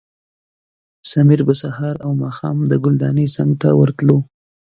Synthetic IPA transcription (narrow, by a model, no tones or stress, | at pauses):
samiɾbəsahɑɾawmɑxɑmd̪əɡʊld̪ɑnesaŋɡ̚t̪awəɾt̪lo